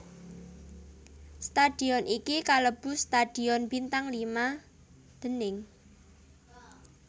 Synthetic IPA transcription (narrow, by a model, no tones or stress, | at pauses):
st̪ad̪̥iɔnʔikikaləb̥ṳst̪ad̪̥i̤ɔnb̥int̪aŋlima | d̪̥ə̤nɪŋ